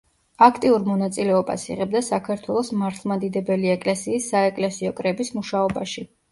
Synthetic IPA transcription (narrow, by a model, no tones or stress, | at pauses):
akʰt̪ʼiuɾmɔnat̪sʼilɛɔba̰sḭʁɛb̚d̪asakʰaɾt̪ʰwɛlˠɔsmaɾt̪ʰlˠmad̪id̪ɛbɛliɛkʼlɛsiːsːaɛkʼlɛsiɔkʼɾɛbismuʃaɔbaʃi